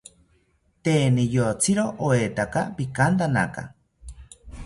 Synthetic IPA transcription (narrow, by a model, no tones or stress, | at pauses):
t̪eːnijot͡siɾoʔoet̪akapikant̪ana̰ka̰